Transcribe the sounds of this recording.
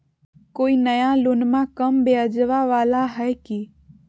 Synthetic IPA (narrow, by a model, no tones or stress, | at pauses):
koːinəjalonmãkəmbead͡ʒʋaʋaːlaɦəjki